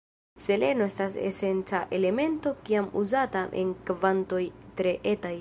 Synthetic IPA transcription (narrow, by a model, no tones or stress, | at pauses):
se̞le̞no̞e̞stasḛse̞nt͡saʔe̞le̞me̞nto̞kiamṵzataʔḛnkvanto̞jtɾe̞ʔetaj